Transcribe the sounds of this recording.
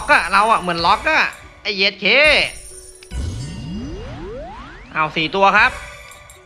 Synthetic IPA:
k̚ːa˧˩ɾa˧wʔa˨˩mɯ˩˦nlɔ˦˥k̚ːa˧˩ | ʔa˧˩jʔe˦˥t̪̚kʰeː˧˥ | ʔa˧˩wsiː˨˩t̪u˧ɐkʰɾa˦˥p̚

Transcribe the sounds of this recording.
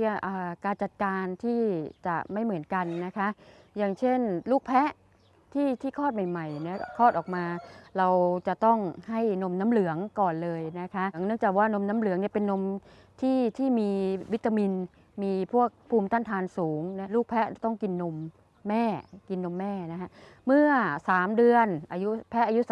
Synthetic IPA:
ʔaː˨˩kaː˧nt͡ɕa˨˩t̪̚kaː˧nt̪ʰiː˥˩t͡ɕa̰˨˩ʔma˥˩jmɯ˩˦ənka˧nːa˦˥kʰa˦˥ʔ | jaː˨˩ŋt͡ɕʰe˥˩nluː˥˩k̚pʰɛ˦˥ʔ | t̪ʰiː˥˩t̪ʰiː˥˩kʰɔː˥˩t̪̚ma˨˩jma˨˩jna˦˥kʰɔː˥˩t̪̚ʔɔː˨˩k̚maː˧ɾa˧wt͡ɕa˨˩t̪ɔ˥˩ŋha˥˩jno˧mna˦˥mlɯ˩˦əŋkɔː˨˩nlɤː˧jna˦˥kʰa˦˥ʔŋnɯ˥˩əŋt͡ɕaː˨˩k̚waː˥˩no˧mna˦˥mlɯ˨˩˦əŋni˥˩əpe˧nːo˧m | t̪ʰiː˥˩t̪ʰiː˥˩miː˧wi˦˥t̪ːa˧mi˧n | miː˧pʰu˥˩ək̚pʰuː˧mt̪aː˥˩nt̪ʰaː˧nsuː˩˦ŋna˦˥luː˥˩k̚pʰɛ˦˥˩t̪ɔ˥˩ŋki˧nːo˧mː | ɛː˥˩ki˧nːo˧mːɛː˥˩na˦kʰa˦˥ʔ | mɯ˥˩ɐsaː˩˦mdɯ˧ənʔaː˧ju˦˥pʰɛ˦˥ʔa˧ju˦˥s

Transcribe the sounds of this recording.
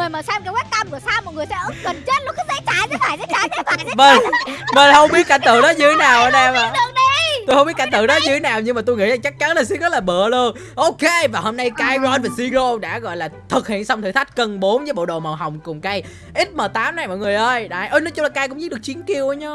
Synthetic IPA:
ŋɨ˨˩əjmaː˨˩saː˧mkaː˧˦wɛ˦˥t̪̚a˧mku˧˩əsaː˧mɔ˨˩t̚ŋɨ˨˩əjsɛ̰˧˥ʔɨ˨˦kə˨˩nt͡ɕe˦˥t̚lo˨˧˥kːzḛ˧˥t͡ɕaː˧˩ze˧˥t̪ʰaː˧˩jzḛ˧˥t͡ɕaː˧˩ze˨˧˦t̪ʰaː˧˩jze˧və˧˨˩və˨˩hə˧wŋ͡mɓi˦˥t̚ka˧˩nt̪ɨ̰˧˨ɗɔ˨˦ɲɨ˧˩t̪ʰe˨˦naː˨˩wʔəː˧˦ɗɛ˧ma˨˩ɨ˨˧˩əɗi˧t̪o˧hə˧wŋ͡mi˦˥t̚ka˧˩nt̪ɨ̰˧˨ɗɔ˨˦ɲɨ˧t̪ʰe˨˦naː˨˩wɲɨ˧ŋmaː˨˩t̪o˧jŋḭ˧˥zaː˨˩t͡ɕa˦˥k̚t͡ɕa˨˦nlaː˨˩si˧˦ɣə˦˥t̚laː˨˩ɓə˧˨əlu˧ən | ʔo˨˧ke˧vaː˨˩ho˧mna˧jkaː˨˧˦jɣɔ˨˦nvaː˨˩si˧ɣo˧ɗa̰ː˧˥ɣɔ̰˧˨jlaː˨˩t̪ʰɨ˨˩k̚hḭ˧˨ənsa˧wŋ͡mt̪ʰɨ˧˨˩t̪ʰa˦˥j̟̚kə˧nɓo˨˦nvəː˨˦jɓo̰˧˨ɗo̰˨˩ma˨˩ɦa˨˩wŋ͡mkʊ˨˩ŋ͡mkaː˨˧j | ʔi˦˥t̚məː˨˩t̪aː˨˦mna˨˩jmɔ̰˧˨ŋɨ˨˩əjʔəː˧jɗa̰ː˨˩jʔəː˧jnɔ˨˦t͡ɕʊ˧˦ŋ͡mlaː˨˩kaː˧˦kʊ˧˥ŋ͡mi˦˥t̚ɗk̚t͡ɕi˨˦ənki˨˧˩əwʔə˨˧˦ɲɔ˧

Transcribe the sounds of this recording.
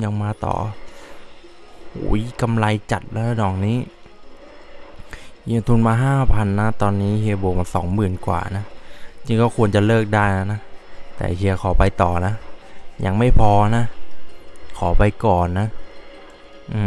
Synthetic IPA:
ɲa˧ŋmaː˧t̪ɔ̰ː˨˩ | hṵː˨˩˦jka˧mla˧jt͡ɕa˨˩t̪̚laː˦˥nɔː˨˩ŋniː˦˥˨ | hi˧t̪ʰu˧nmaː˧ɦaː˥˩pʰa˧nːa˦˥t̪ɔː˧nːiː˦˥hi˧boː˧ma˧nsɔ̰ː˩˦ŋmɯː˨˩nkwa̰ː˨˩na˦˥˧t͡ɕʰi˧ŋkɔː˥˩kʰu˧ənt͡ɕa˨˩lɤː˥˩k̚daː˥˩jna˦˥na˦˥t̪ɛ̰ː˨˩hi˧əkʰɔː˩˦pa˧jt̪ɔː˨˩na˦˥ʔja̰˨˩ŋma˥˩jpʰɔː˧na˦˥ʔ | kʰɔː˩˦pa˧jkɔː˨˩nːa˦˥ | ʔɯː˨˧˩

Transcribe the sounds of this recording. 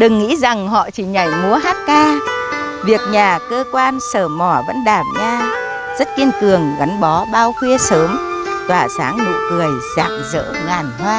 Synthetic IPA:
ɗɨ˨˩ŋːḭ˧˥za˨˩ŋɦɔ̰˧˨t͡ɕi˧˩ɲa˧˩jmu˨˦əɦaː˦˥t̚kaː˧ | vi˨˩ək̚ɲaː˨˩kəː˧kwaː˧nsəː˧˩mɔ˧˩və̰˧˥nɗaː˧˩mɲaː˧ | zə˦˥t̚ki˧ənkɨ˨˩əŋɣa˨˦nɓɔ˨˦ɓaː˧wxwi˧əsəː˨˦mt̪waː˨˩saː˨˦ŋnṵ˧˨kɨ˨˩əjza̰ː˧˨ŋzə̰ː˧˥ŋaː˨˩nhwaː˧

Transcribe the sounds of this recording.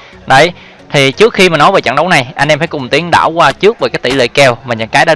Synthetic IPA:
ɗə˧˩j | t̪ʰi˨˩t͡ɕɨ˦˥k̚xi˧maː˨˩nɔ˨˦jveː˨˩t͡ɕə̰˧˨ŋɗə˨˦wna˨˩jʔa˧jnʔɛ˧mfaː˧˩jkʊ˨˩ŋ͡mt̪i˨˦əŋɗa̰ː˧˩wkwaː˧t͡ɕɨ˦˥ək̚vəː˨˩kaː˨˦jt̪i˧˩lḛ˧˨kɛ˧˩wmaː˨˩ɲə̰˧˥nkaː˨˦jɗa̰ː˧˥

